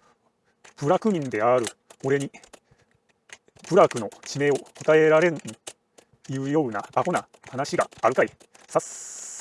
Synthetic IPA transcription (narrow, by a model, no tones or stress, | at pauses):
b̥ɯ̟ɾakɯ̟ɲ̟ĩnd̪e̞aɾɯ̟o̞ɾe̞ɲ̟i | pɯ̟ɾakɯ̟no̞t͡ɕime̞ːo̞kot̪ae̞ɾaɾe̞ɾɯ̟ɲi | jɯ̟ːjo̞ːna̰ːko̞na | hanaɕiɡa̰ːɾɯ̟kai | sas